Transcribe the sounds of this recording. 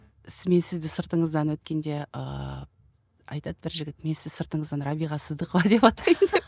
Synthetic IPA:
sme̞nsɪzd̪ɪsəɾt̪əɴəzd̪ɑnwɵt̪kʲe̞nd̪e̞ə̰ | ɑ̰jt̪ɑd̪̚bɪɾʒɪɡʲɪt̪me̞nsɪzsəɾt̪əɴəzd̪ɑnrɑbijʁɑsəzd̪əqvɑd̪epɑt̪ɑjənd̪e

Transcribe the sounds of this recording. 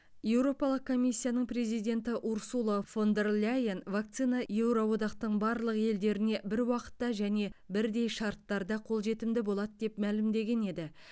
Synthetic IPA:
je̞wɾo̞pɑlˠəq̚kʰo̞mijsʲːijanəɴpre̞zijd̪ʲe̞nt̪ɪʔuɾsulˠofo̞nd̪e̞rlʲajenvak̚t̪sijnɑje̞wɾowo̞d̪ɑqt̪əɴbɑɾlˠəqe̞ld̪e̞ɾɪne̞bɪɾwɑqə̥t̪ːɑʒæne̞bɪɾd̪e̞jʃɑɾt̪ːɑɾd̪ɑqʰo̞lˠʒe̞t̪ɪmd̪ɪbo̞lˠɑt̪d̪e̞pmælɪmd̪e̞ɡʲe̞ne̞d̪ɪ

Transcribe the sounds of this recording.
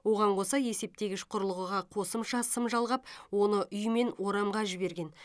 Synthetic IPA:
wo̞ʁɑɴqʰosɑje̞se̞p̚t̪e̞ɡʲɪʃqʰʊɾəlˠəʁəʁɑqʰo̞səmʃɑsəmʒɑlˠʁɑpwo̞nəʔʏjme̞nwo̞ɾɑmʁɑʒɪbe̞ɾɡʲe̞n

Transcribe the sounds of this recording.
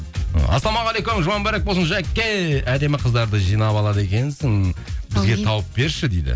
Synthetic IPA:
ɑ̰sˠɑmɑʁɑlˠejkomʒʊmɑnbɑɾek̚bolˠsənʃɑækʲːejæd̪e̞mɪqʰəzd̪ɑɾd̪əʒijnɑpɑlˠɑd̪e̞kʲe̞nsɪŋbɪzɡʲe̞t̪ʰɑwəp̚be̞ɾʃɪd̪ejd̪ɪ̰

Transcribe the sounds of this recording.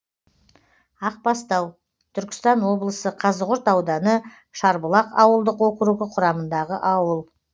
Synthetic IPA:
ɑq̚pɑst̪ɑw | t̪ʰʏɾkʲɪ̥st̪ɑnwo̞blˠəsəqʰɑzʁʊɾt̪ɑwd̪ɑnə | ʃɑɾbəlˠɑqɑ̰wəlˠd̪əqwɵkʲɪɾuɡʲɪqʰʊɾɑmənd̪ɑʁəʔɑwəlˠ

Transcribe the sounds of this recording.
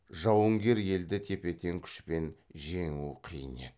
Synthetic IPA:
ʒɑwəŋɡʲe̞ɾje̞ld̪ɪt̪ʰe̞pe̞t̪e̞ŋkʲʰʏ̥ʃpe̞nʒe̞ŋuqʰijəne̞̰d̪

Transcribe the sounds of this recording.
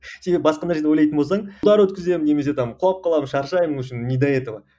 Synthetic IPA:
se̞be̞bɪbɑsqɑd̪ɑɾʒed̪eojlˠɑjt̪ənbosɑɴd̪ɑɾwɵt̪kʲɪze̞mɪne̞mese̞t̪ɑmqʰʊlˠɑp̚qːɑlˠɑmənʃɑɾʃɑjməŋʏʃɪnːʲijd̪ajet̪ovɑ

